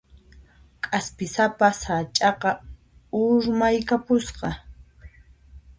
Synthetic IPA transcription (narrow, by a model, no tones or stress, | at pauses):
kʼaspɪsapasat͡ʃʼɑqɑ | ʊɾmajkapʊsqɑ